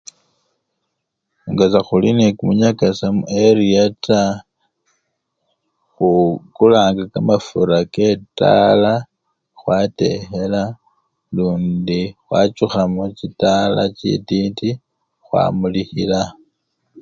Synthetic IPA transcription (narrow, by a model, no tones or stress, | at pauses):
uŋɡazaxulinekumuɲakasamueɾiata | xukulaːŋɡakamafuɾake̞ta̰la | xwate̞̰hela | luːndixwa̰t͡ʃuxamocitalacḭtiːti | xwa̰ːmulihila